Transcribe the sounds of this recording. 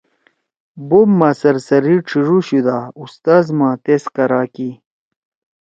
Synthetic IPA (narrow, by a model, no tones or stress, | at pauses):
bomːaːsɐɾsɐɾiʈ͡ʂʰiʐuɕud̪aust̪aːzmãːt̪eskɐɾaːki